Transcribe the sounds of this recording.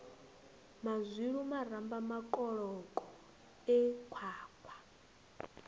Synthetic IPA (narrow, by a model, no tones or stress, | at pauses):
mazʷiɺumaɾambamakʼɔɺɔkʼɔ | ɛkʰaːkʰwḁ